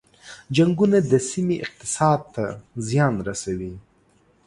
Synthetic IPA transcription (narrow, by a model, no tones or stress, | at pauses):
d͡ʒaŋɡunad̪əsimiʔɪq̚t̪ɪ̥sɑd̪̚t̪ʰazjɑnɾasawi